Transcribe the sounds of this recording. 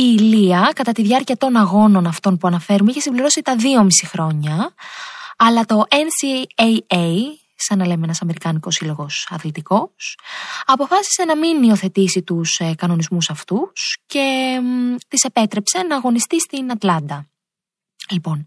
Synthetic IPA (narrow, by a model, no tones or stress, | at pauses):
iliɐkɐt̪ɐt̪iðʝɐɾciɐt̪o̞nɐɣo̞no̞nɐft̪o̞npuɐnɐfe̞ɾumeiçe̞simbliɾo̞sit̪ɐðio̞misixɾo̞ɲɐː | lɐt̪o̞ʔensiejej | sɐnɐle̞menɐsɐme̞ɾikɐniko̞silo̞ɣo̞sɐθlit̪iko̞sɐpo̞fɐsi̥se̞nɐminːio̞θe̞t̪isit̪uskɐno̞nizmusɐft̪usce̞ | t̪ise̞pe̞t̪ɾe̞pse̞nɐːɣo̞nist̪ist̪inɐt̪lɐnd̪ɐ | lipo̞n